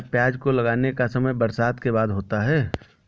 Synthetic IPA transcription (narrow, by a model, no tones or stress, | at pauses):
pjaːd͡ʒkolɐɡaːnekasɐməjbɐɾsaːd̪kebaːd̪ɦoːt̪aɦɛː